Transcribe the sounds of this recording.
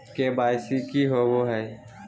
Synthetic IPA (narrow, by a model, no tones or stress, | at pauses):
keːbaːɪsikiɦoːʋoːɦɛː